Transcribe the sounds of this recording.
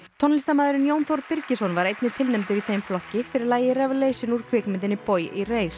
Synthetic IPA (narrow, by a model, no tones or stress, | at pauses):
t̪ʰɔnlist̪amaːðʏɾɪnjownθowɾpɪɾcɪsɔnvaɾejt̪nɪt̪ʰɪlnɛmt̪ɪviθejmflɔhcɪfɪɾɪɾlaːjɪɾɛvlejsɪnuɾ̥kʰvɪːkmɪnt̪ɪnːɪpojireːjs